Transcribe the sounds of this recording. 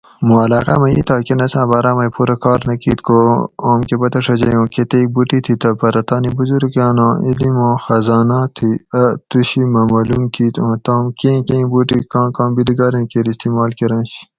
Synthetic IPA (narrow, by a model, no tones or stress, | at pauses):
mũɐlaːqa̰mɐit̪ʰaːkenɐsãːbɐːɾaːmɐjpuɾɐkɑːɾnɐkḭːt̪kooːmkepɐt̪ɐʂɐd͡ʑɐjõːket̪eːk̚buʈit̪ʰit̪ɐpɐɾɐt̪ɑːnibuzuɾkɑːnãːilimõːxɐzaːnaːt̪ʰiɐt̪uɕimɐmɐːlumkʰiːt̪õːt̪ãːmkẽːkẽːbuʈikãːkãːbiliɡɑːɾẽːkeɾist̪imaːlkeɾɐ̃ːnɕi